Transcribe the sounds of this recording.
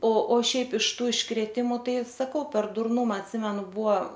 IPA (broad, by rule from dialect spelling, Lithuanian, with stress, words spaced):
oː oː ˈʃʲɛɪp ɪʃ ˈtuː ɪʃkrʲeːˈtʲɪmʊ ˈtɐɪ sɐˈkɐʊ pʲɛr dʊrˈnʊmɐ ɐtʲˈsʲɪmʲɛnʊ ˈbuɔ